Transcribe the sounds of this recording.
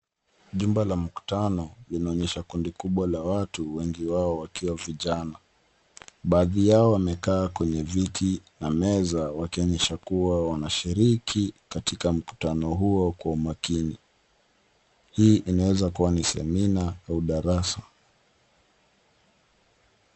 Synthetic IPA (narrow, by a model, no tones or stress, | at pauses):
ʄumbalam̩ku̥tanɔlinaɔɲɛʃakundikuɓwalawatuwɛŋɡiwaɔwakiwaviʄana | ɓaːðijaɔwamɛkaːkwɛɲɛvitʰinamɛzawakiɔɲɛʃakuwawanaʃiɾikʰikatikam̩ku̥tanɔɦuɔkwaumakini | hiːʔinawɛzakuwanisɛ̰minaauɗaɾasa